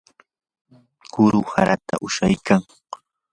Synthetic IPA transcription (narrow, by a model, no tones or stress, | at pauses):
kʊɾʊha̰ɾat̪a̰ʔʊʃajkaŋ